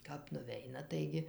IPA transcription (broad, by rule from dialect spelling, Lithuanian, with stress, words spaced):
kɐp nʊˈʋʲɛɪnɐ ˈtɐɪɡʲɪ